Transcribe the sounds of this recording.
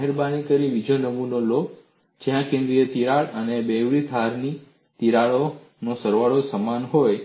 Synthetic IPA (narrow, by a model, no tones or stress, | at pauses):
ɦeɾbanikəɾiʋid͡ʒonəmunolok | d͡ʒeɦãkẽnd̪ɾiət̪iɾaɭənebeʋɭit̪ʰaɾni | t̪iɾaɭo | nosəɾʋaɭosəmanɦoj